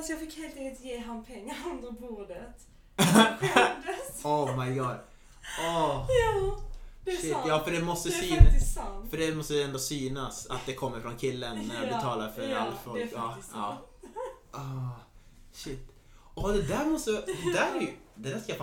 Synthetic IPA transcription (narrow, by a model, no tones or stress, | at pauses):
fasjɑːɡfɪkːheːlt̪ɛ̃ŋɡəlt̪jeːɦanːpʰɛŋːand̪əbuːɖət̪ | ɔmaɪɡɑːd | ɔ | ʃɪt̪ːjɑːfœɖɛmɔst̪əsyːfœɖɛmɔst̪əjɛnd̪osyːnasa̰t̪̚d̪ɛkʰɔmːəɾfɾɔnkʰɪlːənːæɾjabɛt̪ʰɑːlaɾfœɾɾa̰lːafɔlkɑːɑː | ɔ | ʂɪt̪ː | ɔd̪ɛd̪æːɾmɔst̪əd̪ɛd̪æɾɛɾjd̪ɛd̪æːʂkajap